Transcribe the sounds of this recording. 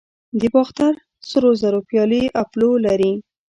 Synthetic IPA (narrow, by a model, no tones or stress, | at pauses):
d̪əbɑxt̪aɾ | səɾozaɾopjɑliʔaplolaɾi